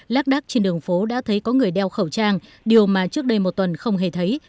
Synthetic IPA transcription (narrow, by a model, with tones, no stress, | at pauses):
laː˦˥k̚ɗaː˦˥k̚t͡ɕe˧nɗɨ˨˩əŋfo˨˦ɗa̰ː˧˥t̪ʰə˨˦jkɔ˨˦ŋɨ˨˩əjɗɛ˧wxə˧˩wt͡ɕaː˧ŋ | ɗi˨˩əwmaː˨˩t͡ɕɨ˦˥ək̚ɗə˧jmo˨˩t̚t̪wə˨˩nxə˧wŋ͡mɦe˨˩t̪ʰə˨˦j